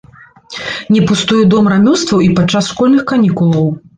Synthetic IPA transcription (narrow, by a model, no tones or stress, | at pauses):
nʲɛpust̪ujud̪ɔmɾamʲɔst̪vɐwipat͡ʂːasʂkɔlʲnɨxkanʲikulˠɐw